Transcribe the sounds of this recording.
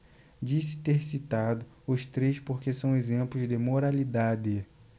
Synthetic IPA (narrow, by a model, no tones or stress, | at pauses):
d͡ʒisɪ̥t̪eɾsit̪ad̪ʊ | ʊst̪ɾespoɾkesɐ̃w̃ezẽplʊzd̪ɪmoɾalid̪ad̪ɪ